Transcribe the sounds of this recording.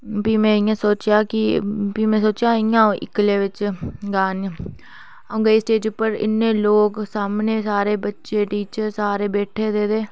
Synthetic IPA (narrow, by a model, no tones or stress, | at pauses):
piːmɛ̃ːɪjãːsoːt͡ʃjaːkɪpiːmɛ̃ːsoːt͡ʃjãːɪjãːõːʔɪkleːʋɪt͡ʃɡaːn | õːŋɡeiːsʈeːd͡ʒpːəɾɪ̰nːeːloːksaːmneːsaːɾeːbətːʃeːʈiːt͡ʃɾsaːɾeːbɛːʈʰeːd̪eːd̪eː